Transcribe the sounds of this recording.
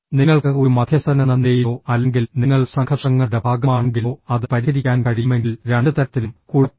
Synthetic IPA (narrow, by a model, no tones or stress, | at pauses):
niŋːɐɭkɨoɾumɐd̪ʰʱjɐsɐnɐnɐnːejioːɐlːe̞ŋɡilniŋːɐɭsɐŋkʰɐʈʂɐŋːɐɭɽebʱaːɡɐmaːɳeŋɡiloːɐðɨpɐɾihɐɾikʲːaːnkɐɽijumeŋɡilɾeɳɖɨt̪ɐɾɐt̪ːilumkuːɻi